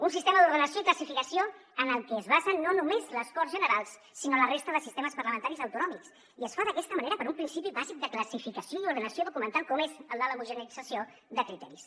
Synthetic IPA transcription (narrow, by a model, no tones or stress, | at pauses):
unsist̪eməðuɾðənəsjoikləsifikəsioənəlˠkɛːzβazəːonumezləskɔrzʒənəɾalˠsːinolərest̪əðəsist̪eməspəɾləmənt̪aɾizəwt̪unɔmiks | iəsfaðəkɛst̪əməneɾəpəɾumpɾinsipiβazik̚d̪əkləsifikəsioiuɾð̞ənəsioðukumənt̪alˠkɔmezələləmuʒənəɾiz̥əsio | d̪əkɾit̪ɛ̰ɾis